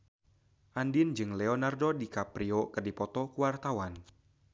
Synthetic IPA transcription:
ʔandind͡ʒɨŋlɛɔnardodikapɾiokɨrdipɔt̪ɔkuwart̪awan

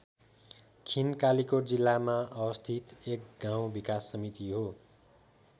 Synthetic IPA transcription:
kʰinkalikod͡zilːamaʌwʌst̪ʰit̪ek̚ɡaw̃bikasːʌmit̪iɦo

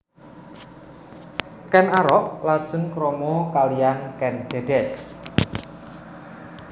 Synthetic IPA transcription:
kɛnaɾɔʔlad̥ʒ̥ə̤nkɾɔmɔkalijankɛnd̪̥e̤ɖ̥ɛs

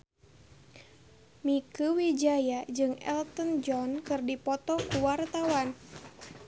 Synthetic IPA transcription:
mikuwid͡ʒajad͡ʒɨŋɛ̰lt̪ənd͡ʒɔnkɨrdipɔt̪ɔkuwart̪awan

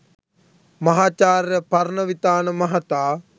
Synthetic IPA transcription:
mɐɦaːt͡ʃaːɾjəpɐɾnəʋit̪aːnəmɐɦat̪aː

